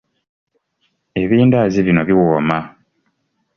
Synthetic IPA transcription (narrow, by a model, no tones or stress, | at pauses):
e̞βiːndaːziβinoβiwoːma